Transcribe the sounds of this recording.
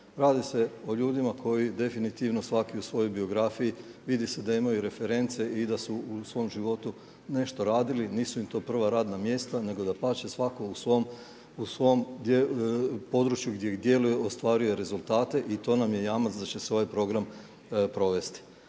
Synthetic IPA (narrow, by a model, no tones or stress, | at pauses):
ɾaːd̪ise̞o̞ʎuːd̪imakʰo̞jid̪e̞finit̪iʋno̞sʋakiusʋo̞jo̞jbio̞ɡɾafijiʋid̪ise̞d̪aimajuɾe̞fe̞ɾe̞nt̪se̞id̪asuusʋo̞mʒiʋo̞t̪u | ne̞ʃt̪o̞ɾaːd̪iliniːsuimt̪o̞ːpr̩ʋaɾaːd̪namje̞st̪ane̞ɡo̞d̪apaːt͡ʃesʋako̞usʋom | usʋo̞omd̪epo̞d̪ɾut͡ʃjuɡd̪jeid̪je̞lujeost̪ʋaːɾuje̞ɾe̞zulˠt̪aːt̪e̞ʔit̪o̞ːnamje̞jaːmat̪sd̪at͡ɕe̞seo̞ʋajpɾo̞ɡɾam | pɾo̞ʋe̞st̪i̥